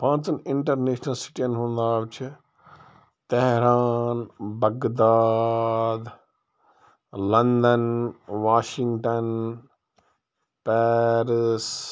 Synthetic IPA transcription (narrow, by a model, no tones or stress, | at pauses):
pãːt͡sɐnɪɳʈɐɾneːʃnɐlsi̥ʈiɐnɦũːnd̪aːbt͡ʃʰɪ | t̪ɛɦɾaːnbɐɡd̪aːd̪ | lɐnd̪ɐnʋaːʃiŋɡʈɐn | pɛːɾis